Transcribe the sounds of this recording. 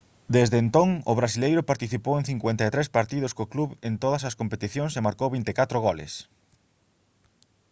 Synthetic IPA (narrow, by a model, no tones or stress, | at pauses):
d̪ezðent̪oŋʊ̰βɾasilejɾʊpaɾt̪iθipoweŋθiŋkwent̪aet̪ɾespaɾt̪iðʊskokluβent̪oð̞ɐsɐskompet̪iθjoŋsemaɾkowβint̪ekat̪ɾʊɣ̞olḛs